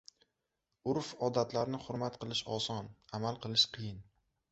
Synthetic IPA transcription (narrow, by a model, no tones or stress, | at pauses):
ʊɾfɒd̪at̪laɾnɪχʊɾmat̪̚qʰɨlˠɪʃɒsɒnamalˠqʰɨlˠɪʃqʰɨjɪn